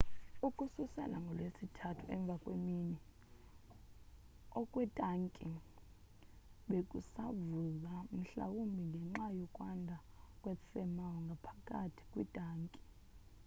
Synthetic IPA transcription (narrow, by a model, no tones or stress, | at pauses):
ukʼususɛ̰la̰ŋɡʱɔlwesitʰatʰuɛ̰ɱb̪vʱakʼwemini | ɔkʼwɛtʼaŋkʼi | ɓekʼusavuzam̩ɬa̰wumbʱiŋɡʱɛŋ͡ǁajɔkʼwandʱa | kʼwefɛmawɔŋɡʱapʰakʼatʰi̥kʼwitʼaːŋkʼi̥